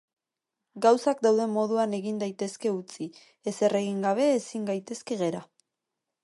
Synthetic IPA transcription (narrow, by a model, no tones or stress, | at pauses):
ɡawsak̚d̪awðe̞mo̞ðuane̞ɣind̪ajt̪e̞ske̞ut͡si | ese̞re̞ɣiŋɡaβ̞e̞ːsiŋɡajt̪e̞ske̞ɣe̞ɾa